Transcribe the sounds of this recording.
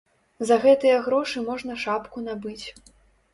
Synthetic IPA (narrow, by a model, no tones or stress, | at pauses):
zɐɣɛt̪ɨjɐɣɾɔʂɨmɔʐn̪ɐʂapkunabɨt͡sʲ